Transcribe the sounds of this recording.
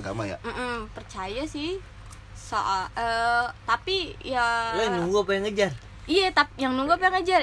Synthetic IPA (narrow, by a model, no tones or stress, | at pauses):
ɡamaja̰m̩ʔm̩pərt͡ʃajasɪh | so̰ʔaʔəːt̪apijalanuŋɡapajaŋəd͡ʒar | ijat̪apjaŋnuŋɡapajaŋəd͡ʒar